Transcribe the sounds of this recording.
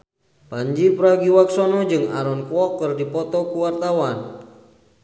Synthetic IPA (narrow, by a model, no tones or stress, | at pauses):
paɲd͡ʒipɾaɡiwaksɔnɔd͡ʒɨŋa̰ɾɔnkwɔkːɨrdipɔt̪ɔkuwart̪awan